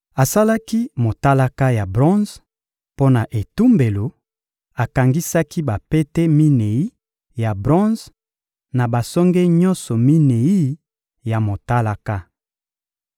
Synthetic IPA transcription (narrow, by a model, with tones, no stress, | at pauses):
a˨sa˦la˦ki˦mo˨ta˦la˦ka˦ja˨bʁɔ̃˦nz | po˦na˨ʔe˨tu˦mbe˨lo˨ | a˨ka˨ŋɡi˦sa˦ki˦ba˨pe˦te˦mi˦ne˨i˦ | ja˨bʁɔ̃˦z | na˨ba˨sɔ˦ŋɡɛ˦ɲɔ̃˦nsɔ˨mi˦ne˨i˦ | ja˨mo˨ta˦la˦ka˦